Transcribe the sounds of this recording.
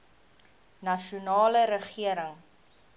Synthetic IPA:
nɐʃunɑːləɾəχiəɾəŋ

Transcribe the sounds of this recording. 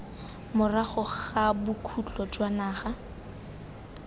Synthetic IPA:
mʊraχʊχabʊkʰut͡ɬɔd͡ʒwanaːχa

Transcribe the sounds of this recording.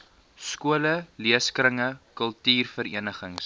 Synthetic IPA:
skuələliəskɾəŋəkəlˠtiːrfəɾḭənəχəŋs

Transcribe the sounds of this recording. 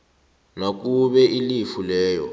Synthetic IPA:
nak̬uɓɛilifulɛːjɔ̰

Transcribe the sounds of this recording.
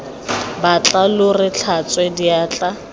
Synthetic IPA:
bat͡ɬʼalʊrɪt͡ɬʰat͡sʼwɛdiaːt͡ɬʼa

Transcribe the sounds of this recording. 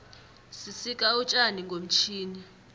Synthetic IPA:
sisikʼaut͡ʃʼaniŋɡʱom̩t͡ʃʰiːni

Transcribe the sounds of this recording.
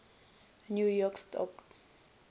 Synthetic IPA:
njujɔkstʰɔ̰k

